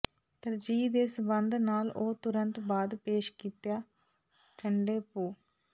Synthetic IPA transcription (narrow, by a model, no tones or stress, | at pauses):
t̪əɾd͡ʒiːd̪eːsəbənd̪naːloːt̪ʊɾənt̪baːd̪peːʃkiːt̪jaː | ʈʰəɳɖeːpoː